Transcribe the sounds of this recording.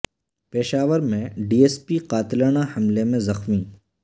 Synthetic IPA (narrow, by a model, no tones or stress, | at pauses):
peːʃaːʋəɾmẽɖiːeːspiqaːt̪ɪlaːnahɐmlemẽzɐxmĩː